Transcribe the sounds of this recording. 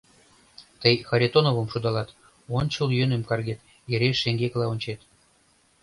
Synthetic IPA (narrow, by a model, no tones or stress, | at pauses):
t̪əjxɑɾʲet̪onovə̆mʃud̪ɑlɑt̪ | ont͡ɕoljønĕmkɑrɡet̪ | eɾʲeʃeŋɡeklˠɑonʲt͡ɕet̪